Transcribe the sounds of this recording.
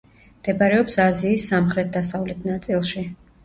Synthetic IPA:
md̪̥ɛbaɾɛɔpsaziːsːamχɾɛt̪̚d̪asavlɛt̪ʰnat̪sʼilˠʃi

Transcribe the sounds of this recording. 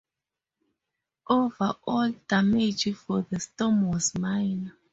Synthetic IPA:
ʔovaʔɔldamed͡ʒifɔðəstɔmwɔzmaɪna

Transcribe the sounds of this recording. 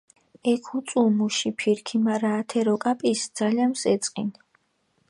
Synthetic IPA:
ɛkʰut̪sʼumuʃipʰiɾkʰimaɾaːt̪ʰɛɾɔkʼapʼisd̪z̥alianmsɛt̪sʼqʼḭn

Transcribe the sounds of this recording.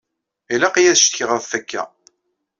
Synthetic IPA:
ilæqijæðʃt̪çəʁəðˤθækːæ̰

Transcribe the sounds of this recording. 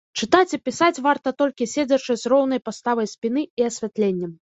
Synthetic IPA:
t͡ʂɨt̪at͡sʲipʲisat͡sʲvart̪ɐt̪ɔlʲkʲisʲed͡zʲɐt͡ʂɨjzrɔwnɐjpast̪avɐjsʲpʲin̪ɨiɐsʲvʲat̪lʲenʲːɐm

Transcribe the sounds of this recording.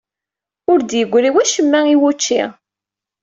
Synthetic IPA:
ʊɾd̪jəɡʷːɾiwæʃəmːæiwut͡ʃːḭ

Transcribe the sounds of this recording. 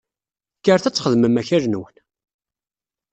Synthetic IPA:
kːəɾθæt͡sːχəðməmæçæɾnwən

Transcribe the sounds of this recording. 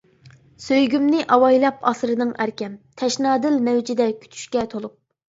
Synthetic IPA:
søjɡʲymnɪʔɑwɑjlˠɑpɑsɾɨnɨŋæɾkʲʰɛmt̪ʰɛʃnɑːd̪ɪlmɛwd͡ʒid̪ɛkʲʰy̥t̪ʰy̥ʃkʲɛt̪ʰolˠup̚

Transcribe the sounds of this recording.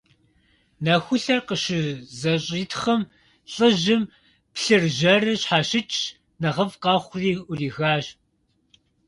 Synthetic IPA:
nɐxʷʊɬɐrqəɕɪzɐɕʼiːtʰχɐm | ɬʼɨʑɪm | pɬɨrʒɐrɨɕħaːɕɪt͡ʃʼʰ | nɐʁɐvqɑːχʷʊriːʔʷʊriːxaːɕ

